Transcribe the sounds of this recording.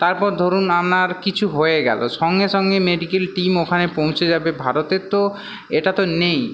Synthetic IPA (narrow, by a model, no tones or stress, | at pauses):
t̪aɾpɔɾd̪ʱoɾunamnaɾkit͡ɕʰuɦoeɡɛ̰lo̰ʃɔŋɡeʃɔŋɡemeɖikelʈimokʰanepõw̃t͡ɕʰed͡ʑabebʱaɾot̪et̪o | eʈat̪onej